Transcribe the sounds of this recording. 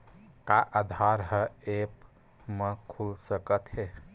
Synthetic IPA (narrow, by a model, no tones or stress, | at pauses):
kaʔad̪ʱaɾɦəep | mekʰulsəkət̪ɦe